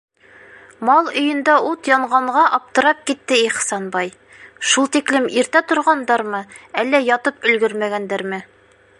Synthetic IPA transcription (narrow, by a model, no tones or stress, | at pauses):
mɑlˠɵ̆jɘ̆nd̪ɑut̪jɑɴʁɑɴʁɑʔɑp̚t̪ɤ̆ɾɑp̚kit̪ːɘiχsɑnbɑj | ʃulˠt̪iklɘmiɾt̪æt̪ŏɾʁɑnd̪ɑɾmɤælːæjɒt̪ɤpɵ̆lɡɵɾmæɡænd̪æɾmɘ